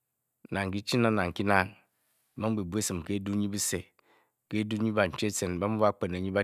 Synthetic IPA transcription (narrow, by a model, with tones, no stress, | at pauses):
na˨ŋ˨ki˦t͡ʃi˦na˦na˨ŋ̩˨ki˦na˦n | ma˦m˦bi˨bu˦e˦sɨ˨m˨ke˦du˦ɲi˦bu˦se˨ | ke˦du˦ɲi˦ba˨n̩˨t͡ʃe˦t͡se˨nba˦mu˦ba˦k͡pe˨na˨ɲi˦ba˦